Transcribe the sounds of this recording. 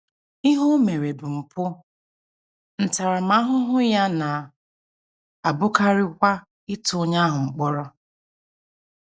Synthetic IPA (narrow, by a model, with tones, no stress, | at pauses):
i˦ɦʊ˦me˨ɾe˨bʊ˨ŋ͡m̩˨pʊ˦ | n̩˨ta˨ɾa˨ma˦ɦʊ˦ɦʊ˦ja˦na˨ | a˨bʊ˦ka˦ɾɪ˦kʷa˦ | ɪ˦tʊ˦ʊ˦ɲa˦ɦʊ˨ŋ͡m̩˨k͡pɔ˦ɾɔ˦